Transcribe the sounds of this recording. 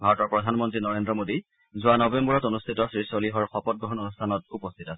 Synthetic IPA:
bʱaɹɔtɔɹpɹɔdʱanmɔntɹinɔɹendɹɔmodi | zʊanɔbembɔɹɔtonustʰitɔsɹisɔliɦɔɹxɔpɔt̚ɡɹɔɦɔnonustʰanɔtupɔstʰitasɛ̥

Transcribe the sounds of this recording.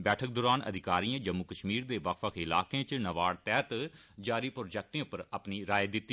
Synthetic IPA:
bɛːʈʰək̚d̪oːɾaːnə̰d̪ʱɪkaːɾijãːd͡ʒəmːukəʃmiːɾd̪eːʋəkfəkʰɪla̰ːkeãːt͡ʃnəʋaːɽt̪ɛːt̪d͡ʒaːɾiːpɾoːd͡ʒɛk̚ʈẽpəɾəpniɾaːjed̪ɪt̪ːi

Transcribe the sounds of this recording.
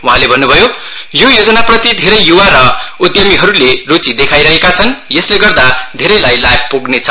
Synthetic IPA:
wuɦãlebʱʌnːubʱʌjojojod͡zʌnaprʌt̪id̪ʱeɾʌjjuwaɾʌud̪jʌmiɦʌɾulerut͡sid̪ekʰajɾʌɦekat͡sʰʌnjʌsleɡʌrd̪ad̪ʱeɾʌjlajlajp̚ʰpoɡnet͡sʰʌ

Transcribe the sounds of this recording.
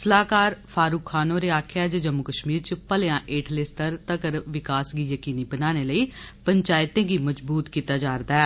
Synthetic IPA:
səlaːkaːɾpʰaːɾuːkʰːaːnõːɾeːaːkʰjaːd͡ʒəd͡ʒəmːʊkəʃmiːɾt͡ʃəpəleãːʔeːʈʰlesʈəɾt̪əkəɾʋɪkaːsɡiːjəkiːniːbənaːneːləiːpəɲt͡ʃaːɪt̪ẽːɡiːməd͡ʒbuːt̪kiːt̪aːd͡ʒaːɾd̪aɛː

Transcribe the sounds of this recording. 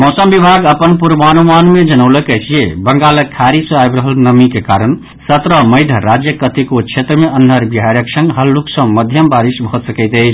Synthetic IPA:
mɔsəmbibʱaɡəpənpuɾbanomanmed͡ʒənəʊləkət͡ʃʰijebəŋɡaləkʰaɾisuajbɾəɦəlnəmikekaɾən | sət̪ɾəməɪd̪ʱəɾad͡ʒjəkət̪ikot͡ʃʰet̪ɾəmeʔənːəɾbiɦaɾjəksə̃ŋɡɦəlːuksə̃məd̪ʱjəmbaɾisbʱot̪səkəɪt̪əɪt͡ʃʰ

